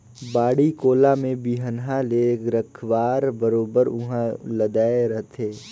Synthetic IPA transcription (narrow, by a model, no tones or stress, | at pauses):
baːɽikoːlamẽbiɦənɦaleɡɾəkʰwaːɾbəɾoːbəɾʊɦãləd̪aːeɾɐɦt̪ʰeː